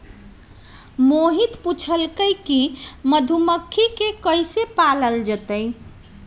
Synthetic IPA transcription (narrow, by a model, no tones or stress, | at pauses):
moɦit̪put͡ʃʰəlkəjkiməd̪ʱuməkʰːikekəjsepaləld͡ʒət̪əj